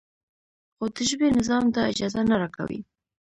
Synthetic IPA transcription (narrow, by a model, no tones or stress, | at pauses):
xod̪əʒbenɪzɑmt̪aɪd͡ʒɑzanaɾɑka̰wḭ